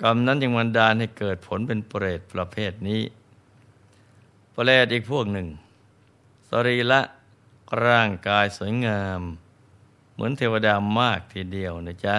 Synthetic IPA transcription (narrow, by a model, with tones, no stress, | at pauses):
ka˧mna˦˥nja˧ŋma˧ndaː˧nɦa˥˩jkɤː˨˩t̪̚pʰo˩˦npe˧npɾeː˨˩t̪̚pɾa˧pʰeː˥˩t̪̚niː˦˥ | pleː˨˩t̪̚ʔiː˨˩k̚pʰu˥˩ək̚nɯ˨˩ŋ | sa˧ɾiː˧˩la˦˥ʔ | ɾaː˥˩ŋkaː˧jsu˩˦əjŋaː˧mː | ɯ˩˦ənt̪ʰeː˧wa˧daː˧maː˥˩k̚t̪ʰiː˧˩di˧əwna˨˧˦t͡ɕa˦˥